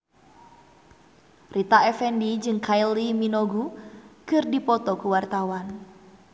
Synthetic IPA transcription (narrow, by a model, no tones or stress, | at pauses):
rʔit̪aɛfɛndid͡ʒɨŋkʰajliminɔɡukɨrdipɔt̪ɔkuwart̪awan